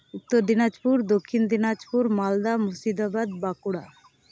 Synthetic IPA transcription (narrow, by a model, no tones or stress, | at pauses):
ut̪ːoɾd̪inad͡ʒpuɾd̪okʰːind̪inad͡ʒpuɾmald̪amusid̪abad̪bakuɽa